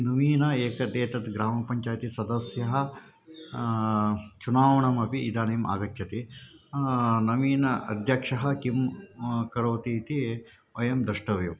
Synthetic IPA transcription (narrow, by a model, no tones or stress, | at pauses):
nɐmiːnɐeːkɐd̪eːt̪ɐt̪ɡɾaːmɐpɐɲt͡ʃaːjt̪isɐd̪ɐsjɐɦɐ̆ | t͡ʃunaːʋɐɳɐmɐpiːd̪aːneːma̰ːɡɐt͡ʃt͡ʃɐt̪i | nɐʋiːnɐʔɐ̰d̪ʱjɐkʂɐɦɐ̆kimkɐɽoːt̪iːt̪i | ɐjɐmd̪ɐʂʈɐʋju